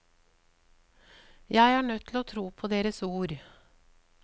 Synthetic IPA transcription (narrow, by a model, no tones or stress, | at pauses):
jæɪhɑːɳœt̪ʰːl̩oːt̪ʰɾuːpʰoːd̪eːɾəsuːɾ